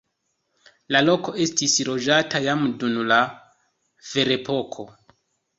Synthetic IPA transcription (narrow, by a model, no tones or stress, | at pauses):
lalo̞ko̞e̞stisɾo̞d͡ʒatajamdunla | v̥e̞ɾe̞po̞kʰo̞